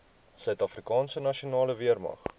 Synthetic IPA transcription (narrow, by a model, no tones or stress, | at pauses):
sœɥtɐfrikɑːnsənɐʃionɑːləviərmɐ̰χ